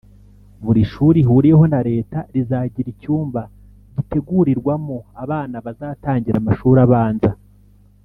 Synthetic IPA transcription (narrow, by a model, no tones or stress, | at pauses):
βuɾiʃuːɾiɦuːɾije̞ho̞naɾe̞ːtaɾizaːɟiɾicuːmba | ɟite̞ɡuɾiɾɡwamoaβaːnaβazaːtaːɲɟiɾamaʃuːɾaβaːnza